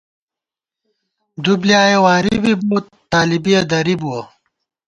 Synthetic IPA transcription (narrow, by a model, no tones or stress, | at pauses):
d̪ublijaːjewaːɾiibibuːt̪ː | aːlibijɐd̪ɐɾibuo